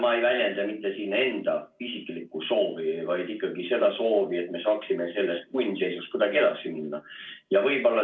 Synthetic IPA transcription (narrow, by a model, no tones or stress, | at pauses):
mɑejvælʲjend̪̥ɑmit̪ːˑe̞siːne̞nd̪̥ɑisikˑlikːuso̞ːvivɑjd̪ikːˑɑɡ̥ise̞d̪̥ɑso̞ːvie̞t̪̚me̞sɑːksime̞se̞lːe̞st̪̚kujnʲːse̞jsust̪̚kud̪̥ɑɡ̥ielɑksiminːɑjɑvɤjb̥o̞lːɑ